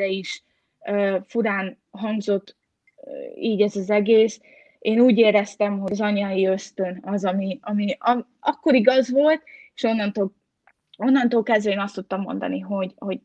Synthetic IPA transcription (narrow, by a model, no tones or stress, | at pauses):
ɛiʃ | øːfuɾaːn | ɦɒŋɡzo̞t̪ː | iːɟɛzɒzɛɡeːs | eːnuːɟeːɾɛst̪ɛmɦozɒɲɒiø̞st̪ø̞nɒzɒmiɒmiɒ | ɒkːo̞ɾiɡɒzʋo̞lt̪e̥ʃo̞nːɒnt̪o | o̞nːɒnt̪oːlkɛzd̪ɛiːnɒst̪ut̪ːɒmːo̞̰nd̪ɒ̰niɦo̞ɟho̞ɟ